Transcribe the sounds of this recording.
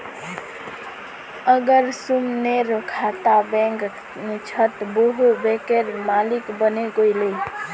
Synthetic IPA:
əɡəɾsumneɾkʰat̪abɛ̃ŋɡ | nt͡ʃʰət̪boɦubekeɾmalikbəneɡojle

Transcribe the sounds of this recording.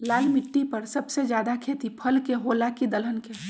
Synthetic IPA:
laːlmɪʈːipɐɾsɐbsed͡ʒjaːd̪akʰeːt̪ipʰɐlkeɦoːlakid̪ələnke

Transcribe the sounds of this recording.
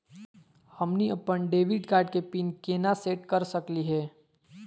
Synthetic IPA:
hɐmniɐpːəɳɖeːʋɪɖkaːɾɖkepiːnkeːnaseːʈkɐɾsəkliɦɛː

